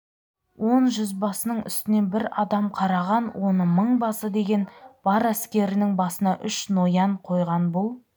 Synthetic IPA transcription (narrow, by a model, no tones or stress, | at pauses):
wʔo̞nʒʏzbɑsənəɴʏ̰st̪ɪne̞nbɪɾɑd̪ɑmqʰɑɾɑʁɑnwʔo̞nəməɴbɑsəd̪e̞ɡʲe̞nb̥ɑɾæskʲe̞ɾɪnɪŋbɑsənɑʔʏʃno̞jɑɴqʰo̞jʁɑnbʊlˠ